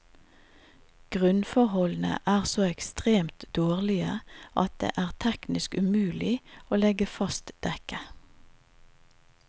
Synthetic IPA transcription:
ɡ̥ʁʉnfɔʁhɔln̩ə̰ʔæːʁsoːɛkst̪ʁeːmt̪d̪̥oːʁlɪəʔɑt̪̚d̪̥ḛːʔæːʁt̪ʰɛknɪskʉmʉːlɪoːlɛɡəfɑst̪d̪̥ɛkə

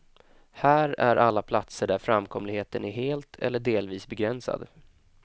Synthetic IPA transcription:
hæːɾæɾʔalːapʰlat̪səɖæɾfɾamːkʰɔmlɪɡheːt̪ənæɾɦeːlt̪ʰɛ̰lːəɖeːlviːsbɛɡɾɛnsa̰d̪

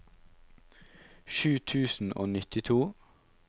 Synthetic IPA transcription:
ʃʉːt̪ʰʉːsn̩o̰ːnɪt̪ɪt̪ʰuː

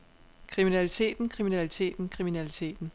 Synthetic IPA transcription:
kʰʁiminælit͡sʰe̝̰ːd̥n̩kʰʁiminælit͡sʰe̝̰ːd̥n̩kʰʁiminælit͡sʰe̝̰ːd̥n̩

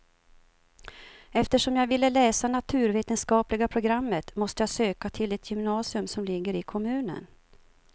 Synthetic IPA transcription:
ɛft̪əʂɔmjaːɡvɪlːəlɛːsanat̪ʰʉ̟ːɾveːt̪ənskɑːplɪɡapʰɾʊɡɾamːət̪mɔst̪əjaːsøːkat̪ʰɪlɛt̪ʰjʏmnɑːsɪɵmsɔmlɪɡːəɾɪkʰɔmʉ̟ːnə̰n

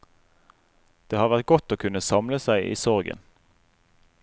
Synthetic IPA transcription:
d̪̥eːhɑːʁʋæʁt̪̚ɡɔt̪oːkʰʉnəsɑmləsæɪʔḭːsɔʁɡə̰n

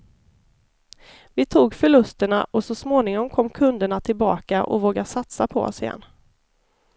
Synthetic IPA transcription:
vɪt̪ʰuːɡfœɭɵst̪əɳa̰ʔɔsɔsmoːnɪŋɔmkʰɔmːkʰɵnd̪əɳat̪ʰɪlbɑ̰ːkaʔɔ̰voːɡasat̪sapʰɔ̰ɔ̰sɪjɛ̰nː

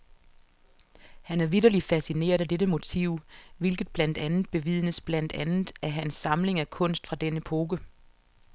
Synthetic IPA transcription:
hænæɐʋid̥ɐlifæsine̝̰ːɐðˠæd̥eɾəmo̝t͡sʰḭʊ̰ʋe̝lɡ̥ð̞̩ˠb̥læn̰d̥ænð̩ˠb̥e̝ʋiðˠənəsb̥læn̰d̥ænð̩ˠæɐɦænsːɑ̈mle̝ŋækʰɔ̽n̰sd̥fʁɑ̈d̥enəpʰo̝ːɡ̥ə

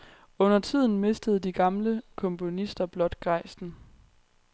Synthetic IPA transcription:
ɔ̽n̰ɐt͡sʰið̞̰ˠn̩me̝sd̥əð̞̩ˠd̥iɡ̥ɑ̈mləkʰɔ̽mpʰo̝nisd̥ɐb̥lɒ̽d̥ɡ̥ʁɑ̈ɪsn̩

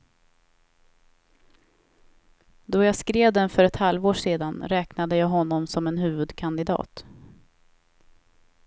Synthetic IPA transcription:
d̪ɔjaːskɾeːvd̪ɛnfœɾɛt̪halvoːʂeːd̪anɾɛːknad̪əjaːɦɔnːɔmsɔmɛnɦʉ̟ːvɵd̪kʰand̪ɪd̪ɑ̰ːt̪

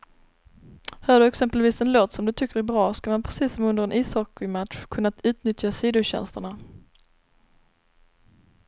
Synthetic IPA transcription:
hœːɖɵɛksɛmpəlviːsɛnloːt̪sɔmd̪ɵt̪ʰʏkːəɾæbɾɑːskamanpʰɾɛsiːsːɔmɵnd̪əɾɛnʔiːsɔkɪmat̪ɧkʰɵnːat̪ʉ̟ːt̪nʏt̪ʰjasiːd̪ʊɕɛ̰nst̪əɳa

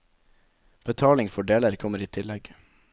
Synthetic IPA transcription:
b̥ət̪ʰɑːlɪŋfɔɖeːləɾkʰɔməɾiːt̪ʰɪlɛɡ

